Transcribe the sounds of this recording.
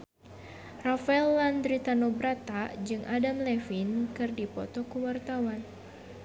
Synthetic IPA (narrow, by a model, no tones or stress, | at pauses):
rafaɛlːand̪ɾit̪anobɾat̪ad͡ʒɨŋʔadamlɛfinkɨrdipɔ̰t̪ɔkuwart̪awan